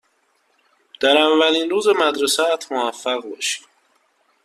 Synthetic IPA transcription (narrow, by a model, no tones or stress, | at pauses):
d̪̥æɾæmvæliːnɾuːzemæd̪ɾesæːt̪ʰmovæfːæɣbɒːʃi̥m